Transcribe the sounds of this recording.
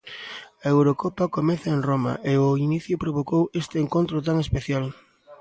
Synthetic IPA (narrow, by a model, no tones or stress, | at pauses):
ɐewɾokopɐkomɛθɐenroma̰ʔeʊiniθjʊpɾoβokowest̪eːŋkont̪ɾʊt̪aŋespeθjal